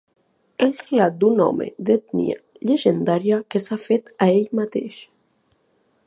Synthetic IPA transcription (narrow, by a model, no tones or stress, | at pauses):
elrelat̪̚d̪unɔ̰mḛd̪et̪nḭa̰ | ʎeʒend̪aɾiakesafet̪aeʎmat̪ḛʃ